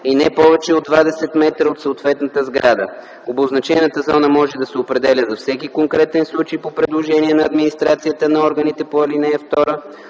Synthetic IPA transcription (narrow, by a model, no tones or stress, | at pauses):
inɛpɔvɛt͡ʃɛod̪vad̪ɛsɛt̪mɛt̪ɾəot̪səot̪vɛt̪nət̪əzɡɾad̪ə̰ | oboznɐt͡ʃɛnət̪əzɔnəmɔʒɛd̪ɐsɛopɾɛd̪ɛlʲəzɐfsɛkikoŋkɾɛt̪ɛnslˠut͡ʃejpopɾɛd̪lˠoʒɛniɛnɐːd̪minist̪ɾat̪sijət̪ənɐɔɾɡənit̪ɛpoɛlinɛɛft̪ɔɾə